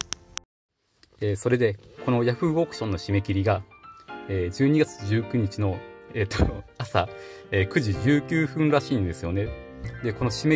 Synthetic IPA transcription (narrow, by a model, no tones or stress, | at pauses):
eːso̞ɾe̞d̪e̞ko̞no̞jaɸɯ̟okɯ̥ɕõ̞nːo̞ɕime̞kʲiɾʲiɡa | eːd͡ʑɨːɲ̟iɡat͡sɨ̥ʑɨːkɯ̟ɲ̟it͡ɕino̞eːt̪ːoasaeːkɯ̟ʑiʑɨːkʲɨːɸɯ̟̃nɾaɕiːnd̪e̞sɨjo̞ne̞d̪e̞ko̞no̞ɕime